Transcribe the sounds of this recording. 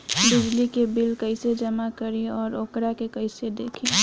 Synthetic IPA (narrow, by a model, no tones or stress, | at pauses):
b̪ɪd͡ʒlikebɪlkəɪsed͡ʒəmakəɾiɔːɾokɾakekəɪsed̪eːkʰi